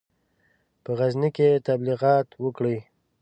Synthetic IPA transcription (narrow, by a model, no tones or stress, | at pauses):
pəɣazniket̪abliɣɑt̪wəkɽij